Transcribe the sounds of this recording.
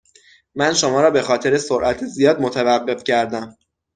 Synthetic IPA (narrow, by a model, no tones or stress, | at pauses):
mænʃo̞mɒːɾɒːbe̞xɒːt̪ʰe̞ɾesoɾʔæt̪ʰiːzijɒːd̪̚mo̞t̪ʰævæɢːe̞fcʰæɾd̪æm